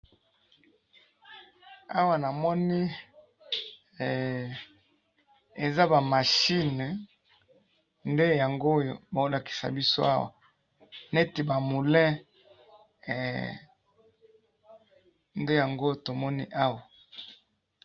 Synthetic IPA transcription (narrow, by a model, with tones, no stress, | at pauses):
a˦wa˨na˨mɔ˦ni˦˨ | e˨za˦ba˨ma˨ʃi˦n˨ | nde˦ja˨ŋɡo˦jo˨ba˨o˦la˨ki̥˨sa̰˨bi˦so̰˦a̰˦wa̰˨ | ne˦ti˨ba˨mu˨lɛ̃˦˨ | nde˦ja˨ŋɡo˦to˨mɔ˦ni˦ʔa˦wa˨